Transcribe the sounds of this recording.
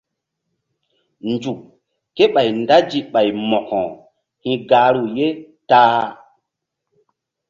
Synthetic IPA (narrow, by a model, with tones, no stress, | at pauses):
nd͡ʒu˨kː | e˦ɓa˨jnda˦d͡ʒi˨ɓa˨jmɔ˨kɔ̰̃˨ | hĩ˨ɡaː˨˦ɾu˨je˦ | taː˦